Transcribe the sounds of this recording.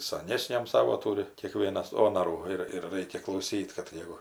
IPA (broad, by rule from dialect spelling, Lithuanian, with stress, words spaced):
sɐˈnʲæːsʲnʲɛm ˈsɑːʋoː ˈtuːrʲɪ kʲiɛˈkʋʲiɛnɐs ˈoːnɐruː ˈɪr ɪr ˈrɐɪkʲɛ klˠɐʊˈsʲiːt kɐt ˈjɛɪɡʊ